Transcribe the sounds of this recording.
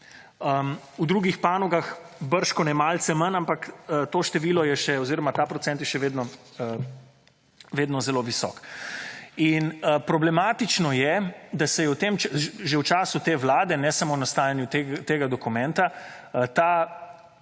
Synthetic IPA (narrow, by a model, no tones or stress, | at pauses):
ə | ud̪ɾuːɡixpaːnɔɡaxbəɾʃkɔnɛmaːlt̪sɛmənampakət̪oːʃt̪ɛʋiːlɔjɛʃɛɔziːɾɔmat̪aːpɾɔt̪sɛnt̪jɛʃɛʋeːd̪nɔə | ʋeːd̪nɔzɛloʋisɔ̰k | inəpɾɔblɛmaːt̪it͡ʃnɔjɛd̪asɛjɛwt̪emt͡ʃɛʒewt͡ʃaːsut̪eːʋlaːd̪ɛnɛsamonast̪aːjanjut̪et̪eːɡad̪ɔkumɛnt̪aət̪aː